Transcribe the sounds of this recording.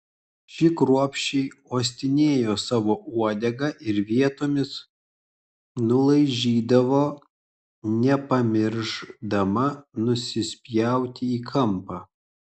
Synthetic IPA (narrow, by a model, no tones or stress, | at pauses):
ʃʲɪkɾuɔpʲʃʲt͡ʃʲɛɪoːsʲt̪ʲɪnʲeːjoːsɑːʋoːʔuɔd̪ʲɛɡɐʔɪɾʋʲiɛt̪oːmʲɪs | nʊlˠɐɪʒʲiːd̪ɐʋoː | nʲɛpɐmʲɪɾʃd̪ɐmɐnʊsʲɪsʲpʲjæˑʊt̪ʲɪiːkʰɐmpɑː